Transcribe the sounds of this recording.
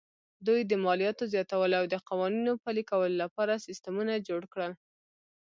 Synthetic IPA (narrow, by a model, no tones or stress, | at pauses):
d̪ujd̪əmɑlijɑt̪ozjɑt̪awəlawd̪əqɑwɑninopəlikawəlolapɑɾasist̪əmunad͡ʒoɽkɽəl